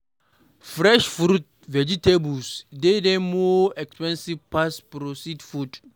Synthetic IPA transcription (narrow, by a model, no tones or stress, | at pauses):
fɾɛʃfɾut̚ | vɛd͡ʒitebusdedɛmɔɛkspɛ̃nsivpaspɾosidfud